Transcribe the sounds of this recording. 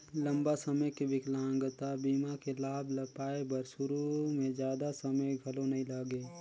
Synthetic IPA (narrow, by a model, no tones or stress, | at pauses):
lɐ̃mbasɐməjkebɪklãːŋɡət̪abiːmakelaːblɐpaːebɐɾsʊɾumẽd͡ʒjaːd̪asɐməjɡʱɐlõnɐɦĩlaːɡeː